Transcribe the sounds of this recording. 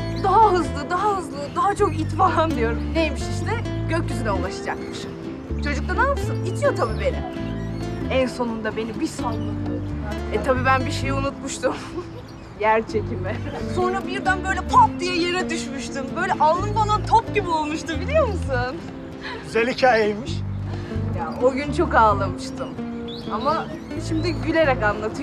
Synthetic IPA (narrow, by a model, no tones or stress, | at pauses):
d̪aɦaɦɯzlˠɯd̪aɦahɯzlˠɯd̪aɦat͡ʃʰo̞kit̪maːand̪ijo̞ɾumnejmiʃiʃt̪ʰɛɟøcjyzynɛulˠaʃɯd͡ʒakmɯʃ | t͡ʃʰo̞d͡ʒuk̚t̪anasɯnit͡ʃ̪ʰjo̞t̪ʰabiːbenʲɛ | ænso̞nund̪abe̞nibisallˠɯk̪ˠɯjoɾmɛt̪ʰabiːbænbiʃe̞junut̪muʃt̪ʰum | jæɾt͡ʃʰecʰimɛso̞nɾabiɾd̪ænbø̞jlʲɛpʰap̚d̪ijɛjeɾɛd̪yʃmyʃt̪ʰɯmbø̞jlʲɛʔalˠːɯnbanat̪ʰop̚ɟibio̞lˠmuʃt̪ɯmbilʲijo̞ɾmusɯn | yzelʲːicɛejmiʃ | jaoɟynt͡ʃʰo̞kaːlˠamɯʃt̪ʰɯm | ama | ʃimd̪iɟylʲe̞ɾɛkanlˠat̪ʰɯ